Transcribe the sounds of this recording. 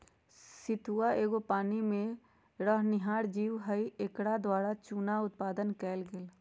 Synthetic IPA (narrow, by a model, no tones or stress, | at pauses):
sɪt̪ʰuaʔeːɡopaːnimẽ | ɾəɦnɪɦaːɾd͡ʒiːwɦəiekɽad̪waːɽat͡ʃuːnaʊt̪̚paːd̪ənkɛːlɡɪl